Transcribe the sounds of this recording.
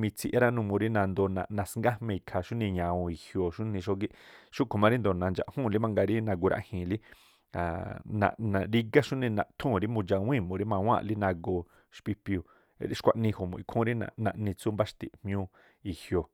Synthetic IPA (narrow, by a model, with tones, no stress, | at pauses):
mĩ˧t͡sʰi˧ʔa˦ɾa˦nũ˧mũ˧ɾi˦nã˧nd̪o˧nã̰˧ʔnã˧sŋɡa˦hmẽ˧˨i˨kʰa˧ʃu˦nĩ˧ɲã˨˧õ˧i˨hjo˧˨ʃu˦nĩ˧ʃo˧ɡi˧ʃu˦kʰo˨mã˧ɾi˦nd̪o˧nã˧nd͡ʒa̰˧˨ʔhũ˦˨˧li˦mã˧ŋɡa˧ɾi˦nã˧ɡu˧ɾʔa̰˧ʔhĩ˧˨li˦ | a˨nã̰˧ʔnã˧ɾi˦ɡa˦ʃu˦nĩ˧nã̰˧ʔt̪ʰũ˦˨˧ɾi˦mũ˧d͡ʒa˧w̃ĩ˦˨mũ˧ɾi˦mã˧w̃ã̰˦˧ʔli˦nã˧ɡo˧ | ʃpi˧pu˨˧ | ɾi˦ʃkʷa˧ʔnĩ˧ho˨mṵ̃˨i˧kʰũ˦˧ɾi˦nã̰˧nã˧ʔnĩ˧t͡su˦mba˦ʃt̪ḭ˨ʔmj̃ũ˧ | i˨hjo˨